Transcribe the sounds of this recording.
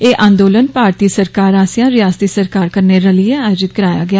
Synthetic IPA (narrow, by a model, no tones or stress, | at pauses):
eːʔʔãːnd̪oːlənpaːɾt̪iːsəɾkaːɾaːsjãːɾɪjaːst̪iːsəɾkaːɾkəɾneːɾəlieaːjoːd͡ʒɪt̪̚kəɾaːja̰ːɡɪaː